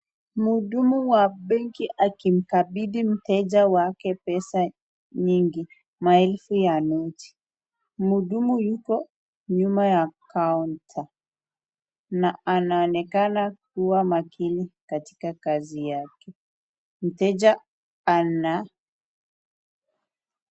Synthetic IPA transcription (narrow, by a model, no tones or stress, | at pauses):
muɗumuwaɓɛŋkiʔakim̩kaɓiɗim̩tɛʄawakɛpɛsa | ɲiŋɡi | maɛlfujanɛti̥ | muɗumujukɔ | ɲumajakauntʰa | naanaɔnɛkanak̚uwamakʰinikati̥kakazijakɛ | m̩tɛd͡ʒa | ana